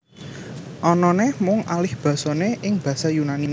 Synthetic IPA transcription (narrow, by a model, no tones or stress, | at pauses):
ʔɔnɔnemʊŋalɪhb̥ä̤sɔneʔɪŋb̥ä̤sajunanim